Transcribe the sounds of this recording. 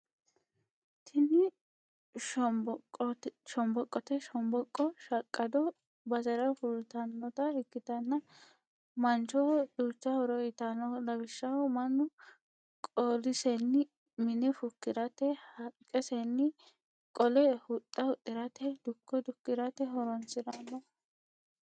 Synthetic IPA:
t̪ʰɪnɪ | ʃɔmbɔkʼːɔt̪ɛʃɔmbɔkʼːɔʃɐkʼːɐd̪ɔ | bɐzɐɾɐfʊlt̪ɐnːɔt̪ɐhɛkːɪt̪ɐnːɐ | mɐnt͡ʃɔd̪̥uːt͡ʃːɐhɔɾɔɪt̪ɐnɔlɐbɪʃːɐwmɐnːʊ | kʼoːlɪsɛnːɪ | mɪnɛfʊkːɪɾɐt̪ɛhɐkʼːɛsɛnːɪ | kʼɔlɛhʊt̪ʼːɐwʊt̪ʼɪɾɐt̪ɛd̪ʊkːɔd̪ʊkːɪɾɐt̪ɛɦɔɾɔnt͡sɪd̪ɐnːɔ

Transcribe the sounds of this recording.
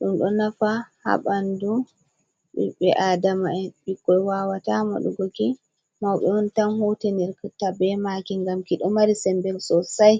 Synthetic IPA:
ɗumɗɔnafaha̰ɓandu | ɗḭɓɛʔadamaɛɓikːɔjwawatama̰ɗṵɡoki | mawɓɛɔntanhuteniɾktabɛmakiŋɡamkiɗɔmaɾisɛmbɛlsɔsaj

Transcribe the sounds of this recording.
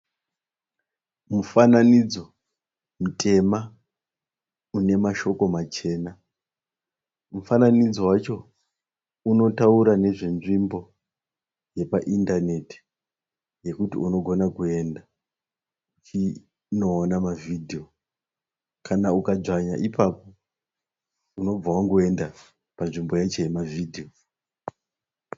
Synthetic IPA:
mufananid͡zo̞ | mutʰe̞ma | une̞maʃo̞ko̞mat͡ʃe̞ːna | mufananid͡zo̞wat͡ʃo̞ | uno̞tauɾane̞ʐe̞nʐimbo̞ | je̞paʔindane̞ti̥ | je̞kutḭuno̞ɡʱo̞nakue̞nda | ut͡ʃi | no̞ːnamavidʱio̞ | kanaukad͡ʐaɲa̰ʔipapo̞ | uno̞b͡vawaŋɡue̞nda | panʐimbo̞jat͡ʃo̞je̞mavʱidʱijo

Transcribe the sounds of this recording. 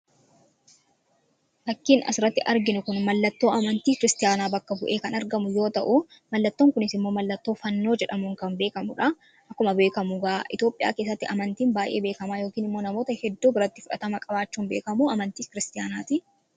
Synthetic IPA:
fɐkːiːnɐ̰sɪɾɐt̪ːɪʔɐɾɡɪnʊkʊnmɐlːɐt̪ːo̞ːɐmɐnt̪iːkɪɾɪst̪ɪjaːnaːbɐkːɐbʊʔeːkɐnɐɾɡɐmʊjo̞ːt̪ɐʔʊ | mɐlːɐt̪ːo̞ːŋkʊnɪsɪmːo̞ːmɐlːɐt̪ːo̞ːfɐnːoːd͡ʒɛᶑɐmuːŋkɐmbe̞ːkɐmʊ̰ᶑɐ | ʔɐkːʊmɐbeːkɐmʊɡaːʔɪ̰t̪jo̞ːpʼɪja̰ːke̞ːs̬ːɐt̪ːɪʔɐmɐnt̪iːnbaːjʔeːbe̞ːkɐmaːjoːkiːnɪmːo̞ːnɐmoːt̪ɐhɛd̪ːuːbɪɾɐt̪ːɪ̥fʊᶑɐt̪ɐmɐkʼɐbaːt͡ʃːuːnbe̞ːkɐmuɐmɐnt̪iːkɪɾɪst̪ɪjaːnaːt̪ɪ

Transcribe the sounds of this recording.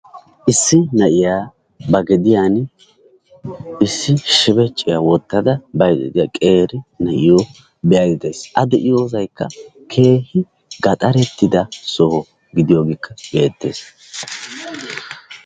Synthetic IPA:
ʔɪsːɪnɐʔɪjaː | bɐɡɛd̪ɪjaːn | ɪsːɪʃɪbɛt͡ʃʼːɪjawɔt̪ːɐd̪ɐbɐjt̪ɪ̰d̪ɪjkʼe̞ːɾɪnɐʔɪjo | bɛjɐd̪ɪd̪e̞ːsʔɐd̪ɛʔɪjoːsɐjkʰːɐ | kʰe̞ːhɪ | ɡɐt̪ʼɐɾɛt̪ːɪd̪ɐsɔhɔ | ɡɪd̪ɪjoːɡɪkʰːɐbeːt̪ːe̞̰ːs

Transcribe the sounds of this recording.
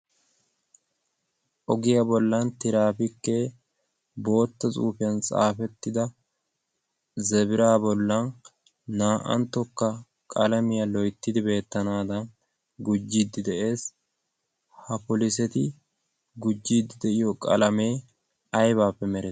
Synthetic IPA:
ʔɔɡɪjabɔlːɐnt̪ɪɾaːpɪkːe | bo̞ːt̪ːɐt͡sʼṵːfɛnt͡sʼa̰ːfɛt̪ːɪd̪ɐ | zɛbɪɾaːbɔlːɐnː | aːʔɐ̰nt̪ːɔkːɐ | kʼɐlɐmɪjɐlɔjt̪ːɪd̪ɪbe̞ːt̪ːɐnaːd̪ɐn | ɡʊd͡ʒːid̪ːɪd̪ɛʔe̞ːs | hɐpɔlɪsɛt̪ɪ | ɡʊd͡ʒːiːd̪ːɪd̪ɛʔɪjɔkʼɐ̰lɐme̞ː | ɐjbaːpːɛmɛɾɛ

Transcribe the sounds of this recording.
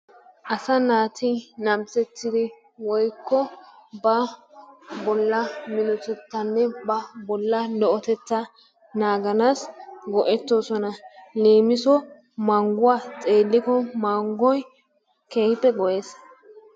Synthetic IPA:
ʔɐsɐnaːt̪ʰɪnɐmsɛt͡sːɪd̪ɪ | wɔjkːɔbɐ | bɔlːɐmɪnɔt̪ɛt̪ːɐnːɛbɐbɔlːɐlɔʔɔt̪ɛt͡sːɐ | naːɡɐnaːsɡɔʔɛt̪ːoːsɔnɐleːmɪsɔ | mɐŋɡʊwaːt͡sʼe̞ːlːɪkɔmaŋɡɔj | ke̞ːhɪpːɛɡɔʔe̞ːs

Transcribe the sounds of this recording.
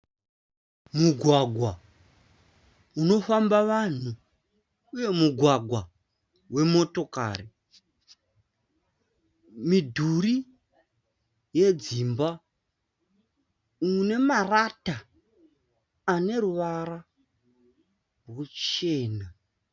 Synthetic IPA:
muɡʱwaɡʱwa | uno̞fambaʋan̤uː | je̞muɡʱwaɡʱwa | we̞mo̞to̞ka̰ːri | midʱuri | je̞d͡zimba | une̞marata | ne̞ɾuʋaɾa | rwut͡ʃe̞ːna

